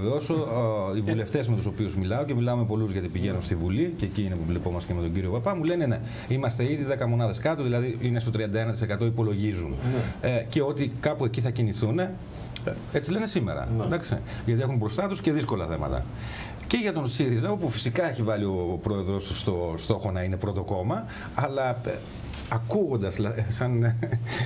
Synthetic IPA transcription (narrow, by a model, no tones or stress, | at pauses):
veo̞soivule̞ft̪e̞zmet̪uso̞piuzmilɐoce̞milɐome̞po̞luzʝɐt̪ipiʝenunst̪ivuliceciinepuvlipo̞mɐst̪e̥ceme̞t̪oɲɟiɾio̞pɐpɐmulene̞ne̞ | imɐst̪e̞iðiðekɐmo̞nɐðe̞skɐt̪oðilɐðiinest̪o̞t̪ɾiɐnd̪ɐe̞nɐt̪i̥se̞kɐt̪o̞ipo̞lo̞ʝizun | ce̞o̞t̪ikɐpue̞ciθɐciniθune̞ | e̞t͡sile̞ne̞sime̞̰ɾɐ̰d̪ɐkst̪ḛ | ʝɐt̪iexumbɾo̞st̪ɐt̪usce̞ðisko̞lɐθe̞mɐ̰t̪ɐ̰ | ce̞ʝɐt̪o̞nsiɾizɐopufi̥sikɐeçivɐlio̞pɾo̞e̞ðɾo̞st̪ust̪o̞st̪o̞xo̞nɐine̞pɾo̞t̪o̞ko̞mɐ | ɐlɐ | ɐkuɣo̞nd̪ɐslɐsɐn